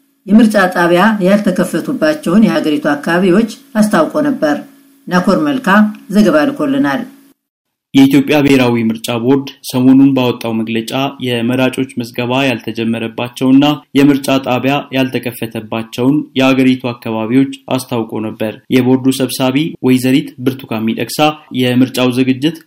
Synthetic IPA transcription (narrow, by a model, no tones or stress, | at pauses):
jɛmɨɾt͡ʃʼat̪ʼaβjajalt̪ʰəkʰəfːət̪ʰubːat͡ʃːɛwnjɛhaɡəɾit̪ʰuakːaβaβiwo̞t͡ʃːast̪ʰawkʼo̞nəbːəɾ | nakʰo̞ɾməlkʰazəɡəβalkʰo̞lːɨnal | jɛit̪jo̞pʼjabeheɾawimɨɾt͡ʃʼabo̞ɾd̪səmo̞nunbawɔt̪ʼːawməɡlət͡ʃʼajɛməɾat͡ʃʼo̞t͡ʃːməsɡəβajalt̪ʰəd͡ʒɛmːəɾəbːat͡ʃːɛwɨnːajɛmɨɾt͡ʃʼat̪ʼaβjajalt̪ʰəkʼʰəfːət̪ʰəbːat͡ʃːɛwnjɛaɡəɾit̪ʰuakːaβaβiwo̞t͡ʃːa̰st̪ʰawkʼo̞nəbːəɾjɛbo̞ɾd̪usəβsaβiwʔɔjzəɾit̪bɨɾt̪ʰu̥kʰamːid̪ʼəksajɛmɨɾt͡ʃʼawzɨɡɨd͡ʒːɪt̪